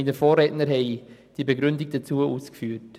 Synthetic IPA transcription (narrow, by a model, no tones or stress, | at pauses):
inəfoːrɛːtnəɾɦɛɪd̥iːbeɡɾʏndɪɡ̚d̥at͡suːəʔuːskfyːt